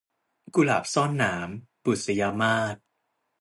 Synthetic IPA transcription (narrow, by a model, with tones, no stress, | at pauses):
ku˧la̰ː˨˩p̚sɔː˥˩nːaː˩˦mpu˨˩t̪̚sa˧ja˧maː˥˩t̪̚